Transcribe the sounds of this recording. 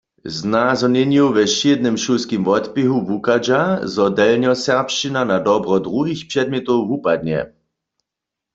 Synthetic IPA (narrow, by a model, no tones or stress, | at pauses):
znazɔnɛnjuʋɛʃed̪̚nɛmʃulskimvɔt̪piɦuvukad͡ʒazɔd̪ɛlnjɔsɛʁpʃt͡ʃinanad̪ɔbʁɔd̪ʁuɦixpʃɛd̪̚mʲjɛt̪ɔwvupad̪ɲɛ̰